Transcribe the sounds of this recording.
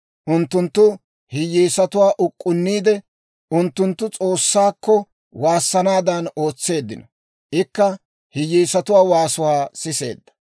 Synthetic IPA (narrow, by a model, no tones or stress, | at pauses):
ʔʊnt̪ːʊnt̪ːʊ | hɪjːiːsɐt̪ʊwaːʔʊkʼːʊnːiːd̪ɛ | ʊnt̪ːʊnt̪ːʊt͡sʼo̞ːsːaːkːɔ | waːsːɐnaːd̪ɐno̞ːt͡sːe̞ːd̪ːɪnɔ | ʔɪkːɐ | hɪjːiːsɐt̪ʊwaːwaːsʊwaːsɪse̞̰ːd̪ːɐ̥